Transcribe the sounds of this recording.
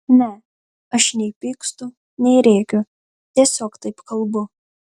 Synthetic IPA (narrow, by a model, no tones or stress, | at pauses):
nʲɛ | ɐʃnʲɛɪpʲiːkst̪ʊ | nʲɛɪɾʲeːkʲʊ | t̪ʲiɛsʲoːkt̪ɐɪpkɐlˠbʊ